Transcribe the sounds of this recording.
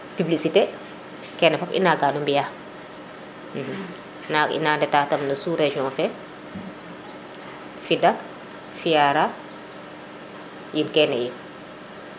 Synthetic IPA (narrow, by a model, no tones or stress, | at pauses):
pibliksite | kɛːnɛfɔpʔḭnaɡaːnumbija | m̩ːm | naḭnandɛtatɐmnɐsuɾeʒiɔ̃fɛ | fidak | fijaɾa | jinkɛnɛjin